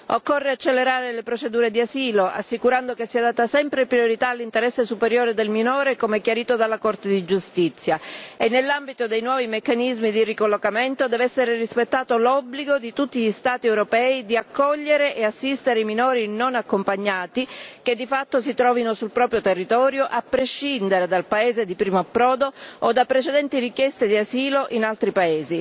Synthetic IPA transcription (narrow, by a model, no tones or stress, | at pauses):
okːorːeat͡ʃːelːeɾaːɾelepɾot͡ʃed̪uːɾed̪iasiːloʔa̰sːikuɾand̪okesːiːad̪aːt̪asɛmpɾepɾioɾit̪aːlːint̪eɾɛsːesupeɾjoːɾed̪elminoːɾekomɛkːjaɾiːt̪od̪alːakort̪ed̪id͡ʒust̪it̪sːjaenːelːambit̪od̪ejnwɔːvimekːanizmid̪irikolːokament̪od̪ɛːvɛsːeɾerispet̪ːaːt̪olɔbliɡod̪it̪ut̪ːiʎist̪aːt̪iɛwɾopɛːid̪iakːɔʎːeɾeʔeasːist̪eɾeiminoːɾinonakːompaɲːaːt̪iked̪ːifat̪ːosit̪ɾɔːvinosulpɾɔːpɾjot̪erːit̪ɔːɾjoʔapːɾeʃːind̪eɾed̪alpaeːzed̪ipɾiːmoapːɾɔːd̪ood̪apːɾet͡ʃed̪ɛnt̪irikjɛst̪ed̪iaziːloʔinalt̪ɾipaeːzi